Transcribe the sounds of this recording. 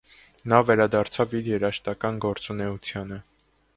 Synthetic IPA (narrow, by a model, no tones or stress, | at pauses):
nɑvɛɾɑd̪ɑɾt͡sʰɑviɾjɛɾɑʃt̪ɑkɑnɡɔɾt͡sunɛut͡sʰjɑnə